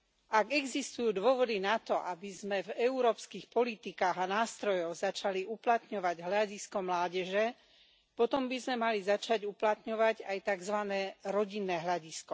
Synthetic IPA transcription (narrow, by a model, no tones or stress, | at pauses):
ʔaɡɛɡzist̪ujuːd̪ʊɔʋɔd̪inat̪ɔʔabizmɛvɛuɾɔːpskixpɔlit̪ikaːɣanaːst̪ɾɔjɔwzat͡ʃaliʔuplat̪ɲɔʋaɟɦʎaɟiskɔmlaːɟɛʒɛ | pɔt̪ɔmbizmɛmalizat͡ʃaɟuplat̪ɲɔʋaɟajt̪aɡzʋanɛːɾɔɟinːɛːɦʎaɟiskɔ